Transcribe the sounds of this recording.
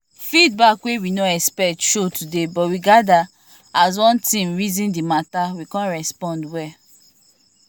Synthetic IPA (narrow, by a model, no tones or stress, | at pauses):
fidbakwewinoɛkspɛk̚tʃotʰudebɔtwiɡada | az̬wɔ̃ntĩmɹizĩndimatawikɔ̃nɹɛspɔ̃ndwɛ